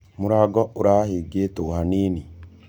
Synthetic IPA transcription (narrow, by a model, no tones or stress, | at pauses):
moɾaːɡɔʔoɾaheːɡeːtohaneːni